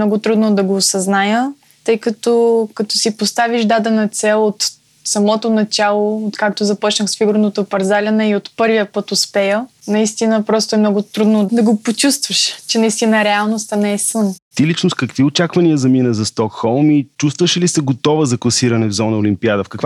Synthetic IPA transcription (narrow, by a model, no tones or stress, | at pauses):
nɔɡʊt̪ɾud̪nod̪ɐɡoːsɐznajə | t̪ɤjkɐt̪ɔkɐt̪ɔsipost̪aviʒd̪ad̪ɛnɐt̪sɛlˠot̪ | sɐmɔt̪onɐt͡ʃalˠoot̪kak̚t̪ozɐpɔt͡ʃnəxsfiɡʊɾnot̪opɐɾzalʲənəiot̪pɤɾvijəpɤt̪ʊspɛjənɐist̪inəpɾɔst̪oɛmnɔɡʊt̪ɾud̪nod̪ɐɡopot͡ʃust̪vəʃt͡ʃɛnɐist̪inəɾɛalˠnost̪ɐnɛɛsənt̪ilit͡ʃnoskɐkviot͡ʃakvɐniəzɐminəzɐst̪ɔkxɔlˠmit͡ʃust̪vəʃilisəɡot̪ɔvəzɐklˠɐsiɾɐnɛvzɔnəolʲimpiad̪əfkɐkva